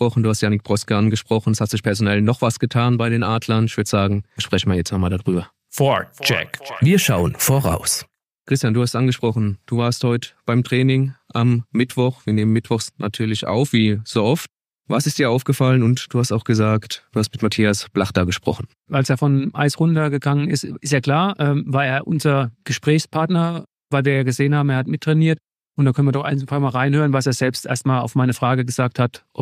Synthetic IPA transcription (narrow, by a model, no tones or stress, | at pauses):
pʁɔχn̩duːhastjaːnɪk̚b̥ʁɔskəʔanɡəʃpʁ̥ɔχn̩ɛshatz̥ɪçpʰɛɐzonɛlnɔχv̥asɡ̥ətʰaːnbaɪɾeːnʔaːdlɐnɪçv̥ʏɐtəz̥aːɡŋ̩ʃpʁ̥ɛçn̩maːɐjɛt͡stamaːldadʁyːbɐ | fɔt͡ʃɛ̰kviːɐʃaʊənfoːʁa̰ʊs | kʁ̥ɪstjanduːhastʔanɡəʃpʁ̥ɔχn̩d̥uːvaːɐsthɔʏtəb̥aɪmtʁ̥ɛːnɪŋʔamːɪtv̥ɔχv̥iːɐneːmənmɪtv̥ɔχsnʔa̰tʰyːɐlɪçʔa̰ʊfv̥iːz̥oːɔft | vasɪstd̥iːɐaʊfɡ̥əfalənʊntd̥uːhastaʊxɡ̥əzaːktd̥uːhast̚mɪtmatʰiːasb̥laχtɐɡəʃpʁ̥ɔ̰χn̩ | ʔalseːfɔnʔa̰ɪsʁʊndɐɡəɡaŋənɪ̰stʔɪstjaːɐkl̥aːɐʔɛːmvaːɐeːɐʔʊnzɐɡ̥əʃpʁ̥ɛːçspʰaɐtnɐ | vaɪlviːɐjaːɡəzeːənhaːbm̩eːɐhatmɪtʰːʁ̥ɛniːɐt | ʔʊntd̥aːkʰœnviːɐdɔχʔaɪnsn̩faːmaːlʁaɪnhøːʁ̞ənvaseːɐzɛlpstʔḛːɐstmaːla̰ʊfmaɪnəfʁ̥aːɡəɡəz̥aːk̚thatʔ